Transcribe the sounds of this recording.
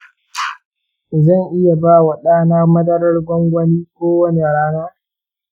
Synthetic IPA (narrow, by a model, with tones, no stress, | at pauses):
ʔɪ˨zɐ˦˨ŋʔɪ˦ja˨baː˦wa˨ɗaː˦naː˦mɐ˦dɐ˦ɾɐ˦rɡʷɔ˦ŋɡʷɐ˦niː˦kʷoː˦wɐ˦ne˨ɽaː˦naː˦